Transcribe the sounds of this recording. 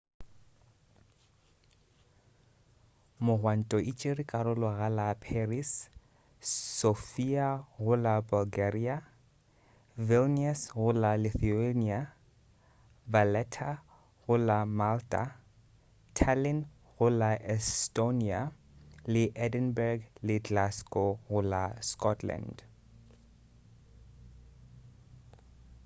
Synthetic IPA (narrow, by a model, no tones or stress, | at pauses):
mʊɣwan̩tʼɔʔit͡ʃʼɪrikʼarʊlɔɣalapʰeris | sofiaɣʊlabʊlɡaria | vɪlniɛsɣʊlaliθienia | valɛt̪ʰa | ʁulamalt̪a̰ | t̪ʰalɪn | ʁʊlaʔɛst̪onia | liʔɛd̪ənbɛɹɡlɪt̪ʰlaskoʁʊlaskɔt̪ʰla̰nd̥